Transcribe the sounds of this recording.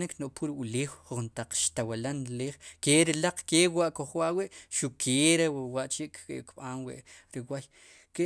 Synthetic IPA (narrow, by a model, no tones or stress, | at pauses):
niknoʔpuɾiuleːwχuχnt̪aq͡χʃt̪awalanɾleːχkeɾilaq͡χkewaʔkoχwaʔwiʔʃukʰeɾewaʔt͡ʃiʔkkɓaːnwḭʔɾiwaj | ke